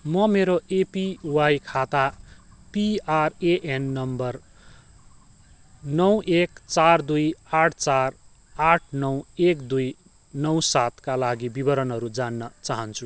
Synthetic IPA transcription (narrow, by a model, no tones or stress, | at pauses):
mʌmeɾoepiwajkʰat̪apiareʔenːʌmbʌr | nʌwekt͡sard̪ujaʈʰt͡sar | aʈʰnʌwekd̪uj | nʌwsat̪kalaɡibibʌɾʌnɦʌɾud͡zanːʌt͡saɦʌnt͡sʰu